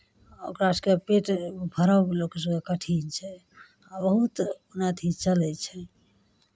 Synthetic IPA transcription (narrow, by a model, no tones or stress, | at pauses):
okɾaskepeʈbʱəɾəwlokes̬əɡekəʈʰint͡ʃʰɛ | abəɦut̪unat̪ʰit͡ʃəlɛt͡ʃʰɛ